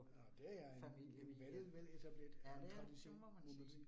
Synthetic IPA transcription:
ɒd̥eæeenʋæd̥əð̩ˠʋeðˠet͡sʰæb̥led̥ænt͡sʰʁɑ̈d̥iɕo̝̰ːn | mo̝n̥o̝lḭ

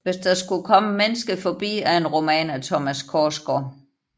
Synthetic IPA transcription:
ʋe̝sd̥æsɡ̥ukʰɒ̽məmenəsɡ̥əfɒb̥ḭːæe̝nʁo̝mɛ̰ːnæt͡sʰɒmæskʰɒːsɡ̥ɒ

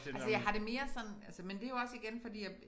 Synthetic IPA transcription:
ælsəjɑ̈ɪɦɑ̈ɾ̥e̝me̝ːɐsɒ̽nælsəmend̥e̝jo̝ɒ̽siɡ̥enfɒ̽d̥ḭːjɑ̈ɪ

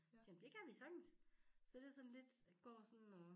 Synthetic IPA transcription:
simd̥e̝kʰæʋisɒɡ̥n̩ssɒ̽d̥esɒ̽nle̝d̥ɡ̥ɒ̰ːsɒ̽nːɔ

